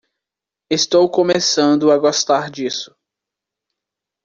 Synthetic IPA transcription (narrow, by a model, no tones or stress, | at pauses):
est̪owkõmesɐ̃nd̪ʊaɡɔst̪aɾd͡ʒisʊ̥